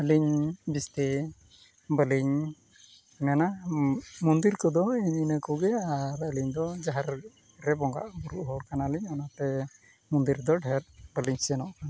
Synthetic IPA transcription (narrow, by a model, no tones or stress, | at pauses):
əliɲbist̪ɛ | bəliɲ | mɛna | mund̪iɾkɔd̪ɔiɲinəkuɡɛaɾəliɲd̪ɔd͡ʒaɦaɾ | ɾɛbɔŋɡa̰ʔbuɾuʔɦɔɽkanaliɲɔnat̪ɛ | mund̪iɾd̪ɔɖʱɛɾbəliɲsɛnɔʔkan